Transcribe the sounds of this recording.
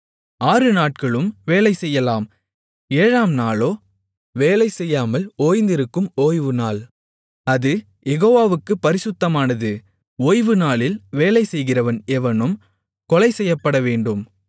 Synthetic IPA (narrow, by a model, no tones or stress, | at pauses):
aːrɯnaːʈ̚kɐɭɯmʋeːlɐɪsɛjːɐlaːm | eːɻaːmnaːloː | ʋeːlɐɪsɛjːaːmɐloːjnd̪ɪɾɯkːɯmoːjʋɯnaːl | ɐðɯ | jɛɣoːʋaːʋɯkːɯpːɐɾɪsɯt̪ːɐmaːnɐðɯ | oːjʋɯnaːlɪlʋeːlɐɪsɛjɣɪrɐʋɐnɛʋɐnɯm | kɔlɐɪsɛjːɐpːɐɽɐʋeːɳɖɯm